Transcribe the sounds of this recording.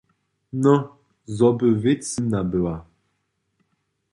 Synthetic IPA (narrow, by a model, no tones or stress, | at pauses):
nɔ̃ | zɔbəvet͡sinabəa